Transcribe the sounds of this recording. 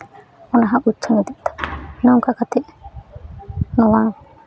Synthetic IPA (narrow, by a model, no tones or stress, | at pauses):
ɔnaɦãʔut̪ːt͡ʃʰɔnid̪iʔ̚t̪ɔ̥nəŋkakat̪ɛʔ | nɔwa